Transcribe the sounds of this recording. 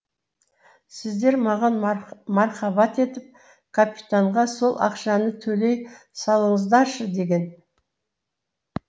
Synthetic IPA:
sɪzd̪e̞ɾmɑʁɑnmɑɾχɑbɑt̪e̞t̪ɪp̚ | kʰapʲit̪aɴʁɑso̞lˠʔɑ̰qʃɑnət̪ʰɵle̞j | sɑlˠəɴəzd̪ɑʃəd̪e̞ɡʲe̞n

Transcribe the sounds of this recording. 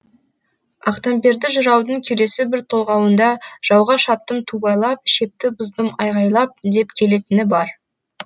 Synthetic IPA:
ɑqt̪ɑmpe̞ɾd̪ɪʒʊɾɑwd̪əɴkʲʰe̞le̞sɪbɪɾt̪ʰo̞lˠʁɑwənd̪ɑʒ̥ɑwʁɑʃɑp̚t̪əmt̪ʰubɑjlˠɑp̚ʃe̞p̚t̪ɪbʊzd̪əmɑjʁɑjlˠɑp̚d̪e̞pkʲʰe̞le̞t̪ɪnɪbɑɾ

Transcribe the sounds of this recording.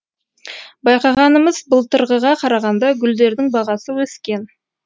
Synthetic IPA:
bɑjqɑʁɑnəməz̥bəlˠt̪ʰəɾʁəʁɑqʰɑɾɑʁɑnd̪ɑɡʲʏld̪e̞ɾd̪ɪŋbɑʁɑsəwɵskʲe̞n

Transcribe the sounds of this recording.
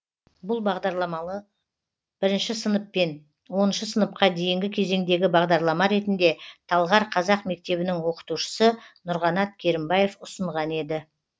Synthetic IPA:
bʊlˠbɑʁd̪ɑɾlˠɑmɑə | b̥ɪɾɪnʃɪsənəpːe̞n | wo̞nəʃəsənəp̚qɑd̪e̞jɪŋɡʲɪkʲʰe̞ze̞ŋd̪e̞ɡʲɪbɑʁd̪ɑɾlˠɑmɑɾe̞t̪ɪnd̪e̞t̪ʰɑlˠʁɑɾqʰɑzɑqme̞k̚t̪e̞βɪnɪŋwo̞qə̥t̪uʃə̥sənʊɾʁɑnɑt̪̚kʲʰe̞ɾɪmbɑje̞fʊsəɴʁɑne̞d̪ɪ

